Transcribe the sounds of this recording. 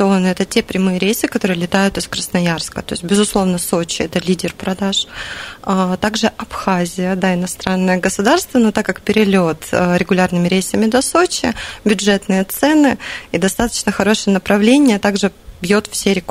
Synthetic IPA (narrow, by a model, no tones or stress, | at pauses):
onɨɛt̪ətʲe̞pɾʲɪmɨjəɾʲejsɨkɐt̪o̞ɾɨjəlʲɪt̪ajʊt̪ɨskɾəsnɐjarskət̪o̞ɪsʲt̚ʲbʲɪzʊslˠo̞vnəsot͡ɕɪ̰ɛt̪əlʲidʲɪrpɾɐd̪aʂ | t̪aɡʐɨʔɐpxazʲɪjəd̪aɪnɐst̪ɾanːəjəɡəsʊd̪arst̪vənot̪akːak̚pʲɪɾʲɪlʲot̪ɾʲɪɡʊlʲarnɨmʲɪɾʲejsəmʲɪd̪ɐsot͡ɕɪbʲʊʐɛt̪nɨjət̪sɛnɨid̪ɐst̪at̪ə̥t͡ɕnəxɐɾo̞ʂɨjənəpɾɐvlʲenʲɪjət̪aɡʐɨbʲjot̪fsʲeɾʲɪk